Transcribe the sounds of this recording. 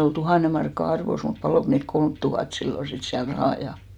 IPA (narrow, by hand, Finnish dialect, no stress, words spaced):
ol tuhɑˑne mɑrkːɑ ɑrʋos mut pɑloˑk niːlt kolmt tuhɑt silːo sit siæl rɑhɑˑ jɑ